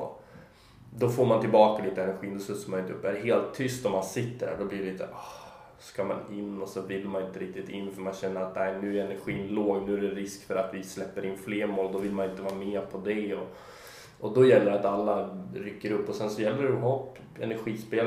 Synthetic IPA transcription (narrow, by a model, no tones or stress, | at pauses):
d̪ɔfoːɾmant̪ɪlbɑːkaliːt̪əɛnæɾɧiːnɵsɵt̪sɔmanɪnt̪ɵpːæɾɦeːlt̪ʰːʏst̪ɔmansɪt̪ːəɖhæ̰ɖɔbliːɾɛit̪ːʔɑ̥h | skɑma̰nɪnːɔsɔvɪlːmanɪnt̪əɾɪk̚t̪ɪt̪ɪnːfœɾmanɕɛnːəɾat̪næɪnʉ̟ːæɾɛnæɾɧiːnloːɡnʉ̟ːæɖɛɾɪskfœɾat̪vɪslɛpːəɾɪnːfleːɾmoːld̪ɔvɪlmanɪnt̪əvɑːɾmɛːpʰɔd̪ɛɔ | ʔɔd̪ɔjɛlːəɾɛat̪alːaɾʏkːəɾɵpːɔsɛnsɔjɛlːəɾɛɦɔpː | ɛ̰næɾɧiːspeːl